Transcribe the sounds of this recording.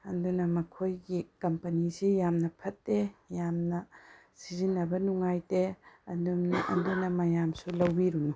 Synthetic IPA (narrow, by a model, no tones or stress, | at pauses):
ɐndunɐmɐkʰojɡikɐmpɐnisijamnɐpʰɐtːejamnɐ | sizinːɐbɐnuŋajteɐndunɐ̰ndunɐmɐjamsulɐwbiɾunu